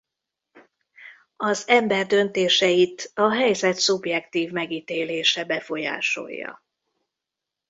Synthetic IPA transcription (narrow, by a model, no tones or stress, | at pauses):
ɒzɛmbɛrd̪ø̞nt̪eːʃɛit̪ɒɦɛjzɛt̪subjɛkt̪iːvmɛɡiːt̪eːleːʃɛbɛfo̞ja̰ːʃo̞̰jːɒ̰